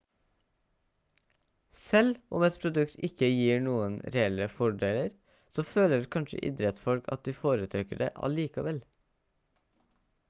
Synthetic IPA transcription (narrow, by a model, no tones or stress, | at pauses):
sɛlʔʊmɛt̪pʰɾʊd̪ʉkt̪ʰɪkəjiːɳuːənɾɛɛləfɔɖeːləɾ | soːføːləɾkʰɑnʃə̰ʔɪ̰d̪ɾɛt̪sfɔlkʰɑ̰t̪̚d̪iːfoːɾət̪ʰɾɛkəɖḛːʔɑ̰liːkɑʋɛl